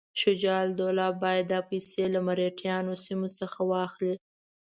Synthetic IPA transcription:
ʃʊd͡ʒɑld̪olɑbɑjad̪d̪ɑpəjselamaɾeʈʰjɑnosimosəxawɑxli

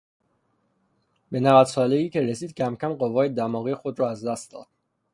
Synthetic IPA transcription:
be̞nævæd̪sɒːleiːcʰe̞ɾesiːd̪̚cʰæmcʰæmɢovɒːje̞d̪æmɒːɣiːexod̪ɾɒːæzd̪æst̪̚d̪ɒ̰ːd̪̥̚

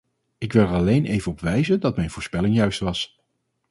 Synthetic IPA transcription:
ɪkʋɪlˠɛɹɑlejnejvəɔpʋɛjzəndɑtmɛjnvʊːɹspɛlɪŋjœɥstʋɑs

